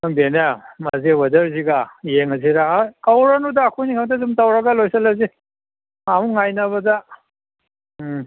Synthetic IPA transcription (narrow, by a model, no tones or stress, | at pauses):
naŋdenamazewɐdɐɾziɡajeŋɐziɾakawɾanudaːkʰujnikʰamtazumtawɾɐɡɐlojsɐlazi | mamuŋajnaβɐda